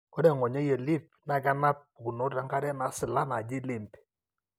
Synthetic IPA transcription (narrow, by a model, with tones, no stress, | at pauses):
kɔ˦ɾɛ˨ŋɔ˨ɲa˦je˨lɪ˦p̚na˨ɡa˦na˦p̚u˨ɡu˨no˦ɾa˨˦ŋɡa˦ɾɛ˦na˨˦sɪ˨la˦na˨d͡ʒɪ˦lɪ˨mp